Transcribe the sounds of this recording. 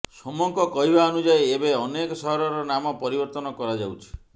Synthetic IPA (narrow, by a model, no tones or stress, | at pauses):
sɔmɔŋkɔkɔɦibaɔnud͡ʒajebeɔnekɔsɔɦɔɾɔɾɔnamɔpɔɾibɔɾt̪ɔnɔkɔɾad͡ʒawt͡ʃʰi̥